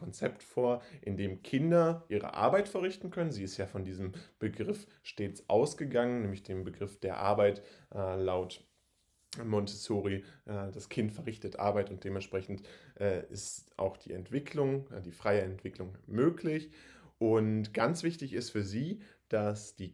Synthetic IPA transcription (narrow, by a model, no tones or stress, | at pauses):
ɔnt͡sɛptfoːɐʔɪndeːmkʰɪndɐʔiːʁə̰ʔa̰ɐbaɪtfɛɐʁɪçtn̩kʰœnənziːɪstjaːfɔndiːzəmb̥əɡʁɪf | ʃteːt͡sʔa̰ʊsɡ̥əɡaŋənnɛːmlɪçd̥eːmbəɡʁɪfd̥eːɐʔa̰ɐbaɪtʔɛːlaʊt | mɔntʰɛsoːʁiʔɛːd̥askʰɪntfɛɐʁɪçtətʔa̰ɐbaɪtʊnt̚d̥eːmɛntʃpʁ̥ɛçn̩tʔɛːɪ̰stʔa̰ʊxd̥iːɛ̰ntv̥ɪkʰlʊŋd̥iːfʁ̥aɪəɛntv̥ɪklʊŋmøːklɪçʔʊntɡ̥ant͡sv̥ɪçtɪçɪstfyːɐziː | d̥asd̥iː